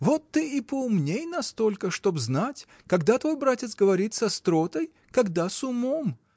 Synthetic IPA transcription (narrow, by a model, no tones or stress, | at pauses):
vot̪ːɨɪpəʊmnʲejnɐst̪o̞lʲkəʂt̪o̞bznatʲ | kɐɡd̪at̪vo̞jbɾatʲɪt̪sɡəvɐɾʲit̪sɐst̪ɾot̪əj | kɐɡd̪asʊmom